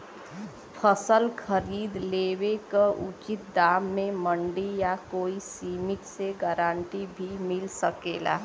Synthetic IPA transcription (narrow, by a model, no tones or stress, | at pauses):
pʰəsəlkʰəɾiːd̪leːwekəʔṵt͡ʃit̪̚d̪aːmːẽməɳɖijakoːisiːmɪʈseɡaɾaːɳʈibʱimɪlsəkeːla̰